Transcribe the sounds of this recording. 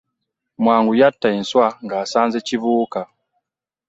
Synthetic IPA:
mwaːŋɡujatːainswaŋɡaːsaːnzeciβuːka

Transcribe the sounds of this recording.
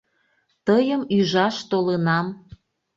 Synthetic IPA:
t̪əjəmyʒɑʃt̪olənɑm

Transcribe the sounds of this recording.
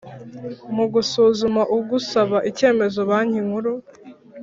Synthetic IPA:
muɡusuːzumaʔuɡusaβaʔice̞ːme̞zo̞βaːɲiŋuɾu

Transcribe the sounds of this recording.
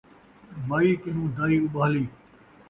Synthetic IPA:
maːiːkɪn̤ũːd̪aːiːʊɓaːliː

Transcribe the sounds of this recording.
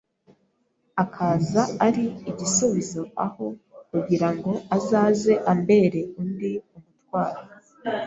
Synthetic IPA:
akʰaːzaaɾiːɟisuβizo̞aho̞kuɡiɾaŋɡo̞azaːze̞ʔambe̞ɾe̞undiumutwaːɾo

